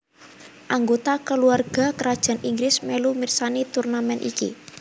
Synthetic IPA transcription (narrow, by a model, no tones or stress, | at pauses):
ʔaŋɡot̪akəluarɡ̥a̤kəɾad̥ʒ̥a̤niŋɡɾɪsmɛlumirsanit̪urnamɛnʔḭkḭ